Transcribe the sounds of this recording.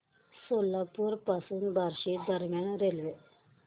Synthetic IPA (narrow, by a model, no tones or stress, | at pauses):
solːapuɾpasunbaɾʃid̪əɾmaɳ̃ɾelʋe